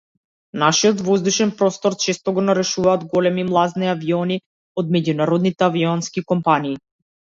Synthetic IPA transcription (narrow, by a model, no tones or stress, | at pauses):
naʃiɔt̪vɔzd̪uʃɛnpɾɔst̪ɔɾt͡ʃɛst̪ɔɡɔnaɾɛʃuvaːd̪ɡɔlɛmimlˠazniaviɔni | ɔd̪mɛɟunaɾɔd̪nit̪ɛaviɔnskikɔmpaniː